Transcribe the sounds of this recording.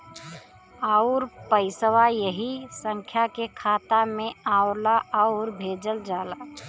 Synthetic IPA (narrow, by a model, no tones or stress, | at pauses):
aʊɾpəɪsəwajəɦisə̃ŋkʰjakekʰaːt̪amẽaːʊɾlaaʊɾbʱeːd͡ʒəld͡ʒaːla